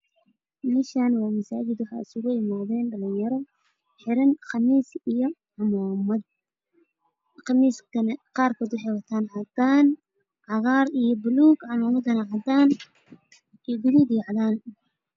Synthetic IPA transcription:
mɪʃanwɑːmɐsaːt͡ʃɪd̪wɑħɑ̰ːɪsʊɣʊjɪmaːðɛːnɖɐlɪjjɐɾɔ | ħɪɾɐnqɑmiːsijɔʕɑmaːmɐd̪̚ | qɑmiːskʰɐnɐqɑːrkʰɔːd̪wʊħɑjwɐt̪ʰaːnʕɑd̪aːn | ʕɑɣɑːɾijɔbʊluːɡʕɑmɔːmɐd̪ɐnɐʕɑd̪aːn | iɡʊðid̪iʕɑðaːn

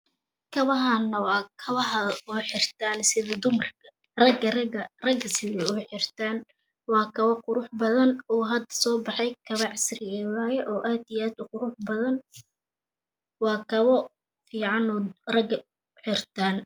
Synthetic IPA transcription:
kʰɐβɐɦanːɐwɑːkʰɐβɐɦɐɔħɪrt̪ʰaːnsɪðɐd̪ʊmrkʰɐ | rɐɡɐɐrɐɡɐsɪðɛʊħɪrt̪ʰaːn | wɑːkʰɐβɐqʊɾʊħbɐðɐnɔːɦɐd̪ɐ̥sɔːbɑħɛjkʰɐβɐʕɪsrɪɛwaːjɛʔɔːʔaːd̪ijaːd̪ʊqʊɾʊħbɐðɐn | wɑːkʰɐβɔ | fiːʕɑnɔrɐɡ | ħɪrt̪ʰaːn

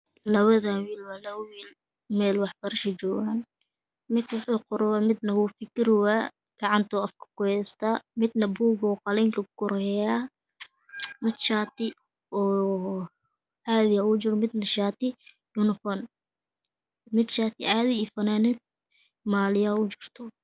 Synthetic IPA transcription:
lɐβɐðawiːlwaːlɐβɐwiːl | mɛːlwɑħbɐɾɐʃɐt͡ʃɔːɣaːn | mɪd̪wʊħuːqʊɾɔwamɪd̪nɐwʊːfɪkɪrwaː | ɡ̥ɑʕɑnt̪ʰɔːɐfkʰɐ̥kʰʊhɛːst̪ʰaːmɪd̪nɐbuːɡɔːqɑlɛːŋkʰɐkʊɾɛjaː | mɪd̪ʃaːt̪ʰɪ | ɔː | ʕɑːðɪjaʊt͡ʃɪɾmɪd̪nɐʃaːt̪ɪ | jʊnɪfɔn | mɪd̪ʃaːt̪ʰɪ̰ʕaːðɪfɐnaːnɪd̪̚ | maːlɪjaːʊt͡ʃɪrt̪ʰɔ

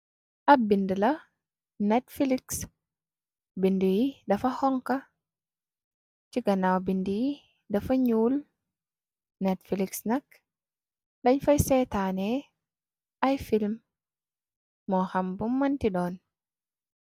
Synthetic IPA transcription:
ʔɐbindilɐ | nɛtfiliks | bindijidɐfɐhɔŋka | t͡ʃiɡɐnawbindiji | dɐfɐɲuːl | nɛtfiliksnɐk | dɐɲfɐjsɛtanɛ | ʔajfilm | ɔxambumːɐntidɔːn

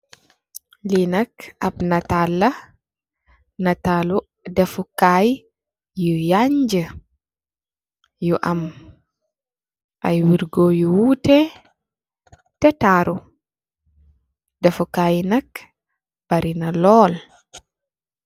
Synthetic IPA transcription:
linakʔabnatalːa | natalu | dɛfukaj | jujaɲd͡ʒə | juʔam | ʔa̰jwiɾɡojuwutɛ | tɛtaɾʔu | dɛfukajnak | b̥aɾinalɔːl

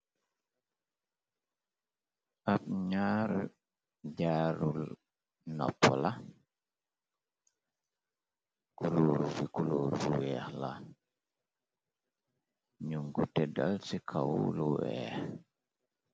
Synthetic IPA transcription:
ʔap̚ɲaɾ | d͡ʒaɾul | nɔ̰pːɔla | kuloːɾufikuloːɾufiwɛhla̰ | ɲuŋɡutɛdalsikʰawuluwɛ̰h

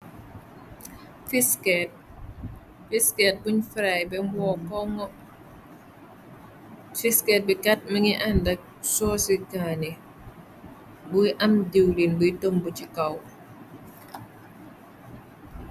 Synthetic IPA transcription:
fiskɛt̚ | fiskɛt̚buɲfɾajbɛmwɔkɔŋɔ | fiskɛt̚bikat̚məŋiʔandɐk̚ | sɔːsikaːni | bujʔɐmdiwlinbujtəmbucikaw

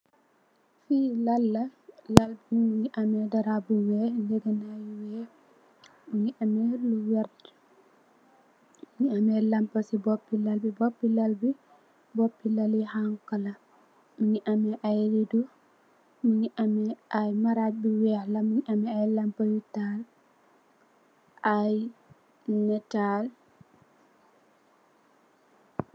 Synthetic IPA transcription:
filalːalalbimuɲiʔamɛdaɾabuwɛlɛɡɛnajiwɛ | muɲiʔamɛluwɛɾd͡ʒɛ̥ | muɲiamɛlampasibopːilalbibopːilalbi | bopːilalihaŋkala | miɲiʔamɛʔajɾidɔ | miɲiʔamɛʔajmaɾabiwɛhlamiɲʔamɛajlampajutal | ʔaj | nɛtal

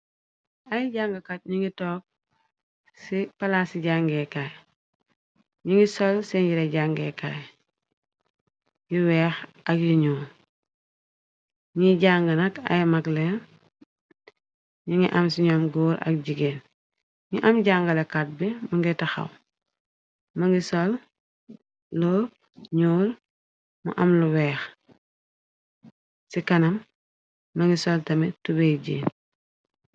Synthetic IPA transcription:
ajɟaːŋɡakat̚ɲiŋɡitɔːk̚ | sipalaːsiɟaŋɡekaj | ɲiŋɡisɔlsɛɲɟiɾeɟaŋɡeka̰j | jiwɛːx | ɐkjiɲuː | ɲiɟaːŋɡɐnɐkɐ̰jmaklen | ɲuŋɡiʔɐmsiɲɔmɡoːɾɐ̰k̚ɟiɡeːn | ɲuʔɐmɟaːŋɡɐlekat̚bimuŋɡɛtɐxɐ̰w | mɐŋɡisol | loː | ɲuːɾ | mṵʔɐmluwɛːx | sikɐnɐmː | ɐŋɡisɔltɐmitubeɟḭːn

